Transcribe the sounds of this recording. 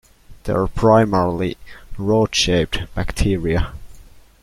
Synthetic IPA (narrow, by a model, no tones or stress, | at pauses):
ð̥ə̰əpʰɹ̥aɪmɛɹlˠiɹoːd̥ʃeɪp̚db̥æktʰiːɹiə